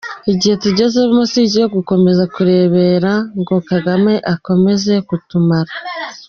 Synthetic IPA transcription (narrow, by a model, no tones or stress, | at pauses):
iɟihe̞tuɟe̞zeβimosiɟijoɡuko̞me̞zakuɾe̞ːβe̞ːɾaŋɡo̞kaɡame̞ʔako̞me̞ze̞kutumaɾa